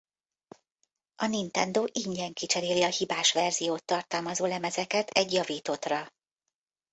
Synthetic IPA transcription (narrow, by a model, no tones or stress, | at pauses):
ʔɒnint̪ɛnd̪oːʔiɲɟɛŋkit͡ʃɛɾeːliɒhibaːʃʋɛrzijoːt̪ːɒrt̪ɒlmɒzoːlɛmɛzɛkɛt̪ɛɟjɒviːt̪o̞t̪rɒ